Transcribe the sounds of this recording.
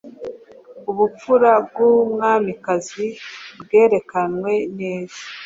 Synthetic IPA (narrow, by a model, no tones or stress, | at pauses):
uβup͡fuɾab̚ɡumŋaːmikazibɡe̞ːɾe̞kanwe̞ne̞ːz̥ḁ